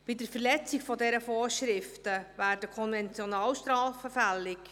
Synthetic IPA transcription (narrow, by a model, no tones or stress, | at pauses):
b̥idəɾfəɾlɛt͡sɪkfɔdɛɾəfoːɾʃɾɪftəvæːrd̥əkʰɔnvɛnt͡sjɔnɑːlʃtɾɑːfəfælɪk